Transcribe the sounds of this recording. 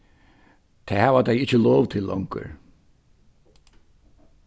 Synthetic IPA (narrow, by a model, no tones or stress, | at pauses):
t̪ʰɛːhaːvat̪ʰajɪt͡ʃːəlɔːvt̪ʰɪlːʔɔ̰wŋkə̰ɾ